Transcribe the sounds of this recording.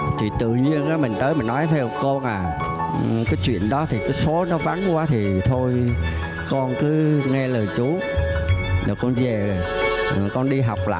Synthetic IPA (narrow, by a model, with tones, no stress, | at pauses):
t̪ʰi˨˩t̪ɨ̰˧˨ɲi˧ənkaː˨˦mï˨˩ŋ̟t̪əː˨˦jmï˨˩ŋ̟nɔ˨˦jt̪ʰɛ˧wko˧nʔaː˨˩˨ | kaː˨˦jt͡ɕwḭ˧˨ənɗɔ˨˦t̪ʰi˨˩kaː˨˦jso˨˦nɔ˨˦va˨˦nkwaː˨˦t̪ʰi˨˩t̪ʰo˧j | kɔ˧nkɨ˨˦ŋɛ˧ləː˨˩jt͡ɕu˨˦ | nː˨˩kɔ˧nze˨˩zjkɔ˧nɗi˧ɦa˨˩wk͡p̚la̰ː˧˨